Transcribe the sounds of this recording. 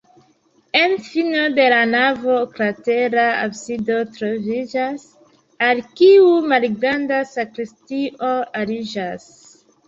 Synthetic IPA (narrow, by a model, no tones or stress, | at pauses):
e̞nfino̞de̞lanavo̞kɾateɾaabsido̞tɾo̞vid͡ʒas | alkiumalɡɾandasakɾistiʔo̞aɾid͡ʒas